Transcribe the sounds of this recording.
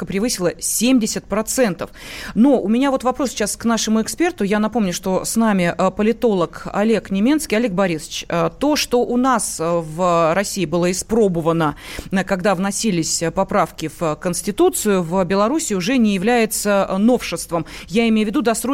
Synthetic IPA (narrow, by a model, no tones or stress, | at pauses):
kəpɾʲɪvɨsʲɪlˠəsʲemʲdʲɪsʲət̪̚pɾɐt̪sɛnt̪əfnoʊmʲɪnʲavo̞t̪vɐpɾosʲt͡ɕasknaʂɨmʊɪkspʲe̞rt̪ʊjan̪ɐpo̞mnʲʊʂt̪o̞snamʲɪʔəpəlʲɪt̪o̞lˠəkɐ̰lʲeknʲɪmʲe̞nskʲiɐlʲek̚bɐɾʲisə̥t͡ɕət̪o̞ʂt̪o̞ʔʊnasvrɐsʲiɪbɨlˠəɪspɾo̞bəvənəkɐɡd̪avnɐsʲilʲɪsʲpɐpɾafkʲɪvəkənsʲtʲɪt̪ut̪sɨjʊvbʲɪlˠɐɾusʲɪʊʐɛnʲɪjɪvlʲæjɪt̪səno̞fʂɨst̪vəmjaɪmʲejʊvʲɪd̪ud̪ɐsɾo